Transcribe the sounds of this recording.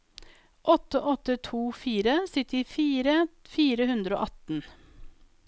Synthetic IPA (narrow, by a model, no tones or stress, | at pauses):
ʔɔt̪ːəʔɔt̪ːət̪ʰuːfiːɾəsɪt̪əɾiːfːɾəfiːɾəhʉnd̪ɾəo̰ːʔɑt̪n̩